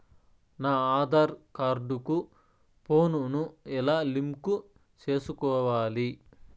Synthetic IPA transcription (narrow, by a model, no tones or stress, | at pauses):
naːaːd̪aːɾkaɾɖuku | poːnunuilaːlimku | t͡ʃe̞ːsukɔːʋaːli